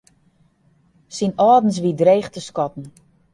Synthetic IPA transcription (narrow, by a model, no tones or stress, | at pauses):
sinɔːdn̩s̬ʋidreːxtəskɔtn̩